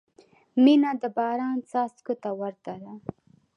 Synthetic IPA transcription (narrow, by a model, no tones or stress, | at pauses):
minad̪əbɑɾɑnsɑst̪kot̪awaɾt̪aɾa